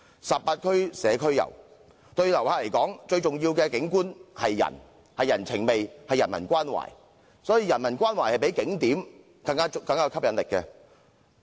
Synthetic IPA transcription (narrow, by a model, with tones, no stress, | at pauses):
sɐ˨p̚paː˧t̚kʰɵ˥ɥsɛː˨˧kʰɵ˥ɥjɐ̰˨˩w | t̪ɵ˧ɥlɐ˨˩whaː˧le˨˩jkɔː˨˥ŋt͡ʃɵ˧ɥt͡ʃʊ˨ŋjiː˧wkɛː˧kɪ˨˥ŋkuː˥nhɐ˨jːɐ̰˨˩n | hɐ˨jːɐ˨˩nt͡sʰɪ˨˩ŋme˨jhɐ˨˩jːɐ˨˩nmɐ̰˨˩nkʷaː˥nwa̰ː˨˩j | sɔː˨˥jiː˧jɐ˨˩nmɐ˨˩nkʷaː˥nwaː˨˩jhɐ˨jp̬e˨˥jkɪ˨˥ŋt̪iː˨˥m | kɐ˧ŋkaː˥kɐ˧ŋkaː˥˧kʰɐ˥p̚jɐ˨˥nlɪ˨kːɛ˧